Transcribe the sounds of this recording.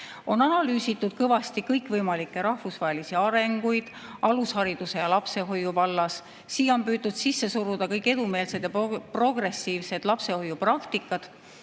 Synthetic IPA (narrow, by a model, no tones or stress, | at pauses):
o̞nɑnɑlyːsit̪ːˑud̪̥̚kɤvɑst̪ikɤjkˑvɤjmɑlikˑːe̞ɾɑhvusvɑɦe̞lisiɑɾe̞ŋɡujd̪̥ | ʔɑlushɑɾid̪use̞jɑlɑpse̞ɦo̞jːuvɑlːɑs | siːo̞mpyːt̪ːud̪̥sisːe̞suɾud̪̥ɑkɤjkːˑe̞d̪ume̞ːlse̞d̪̥jɑppro̞ɡ̥re̞siːvse̞d̪̥lɑpse̞ho̞jːuprɑkt̪ikːˑɑd̪̥